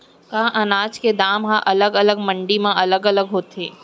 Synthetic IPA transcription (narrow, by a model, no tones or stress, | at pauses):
kaːʔɐnaːd͡ʒked̪aːmɦãʔɐləɡɐləɡmə̃ɳɖimãʔɐləɡɐləɡɦoːt̪eː